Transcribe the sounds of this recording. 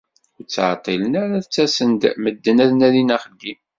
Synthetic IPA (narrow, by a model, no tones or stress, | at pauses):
ʊɾt͡sːʕt̪ˤːilənæɾaθt͡sːæsənd̪məd̪ːənæðnæðinæχəlːim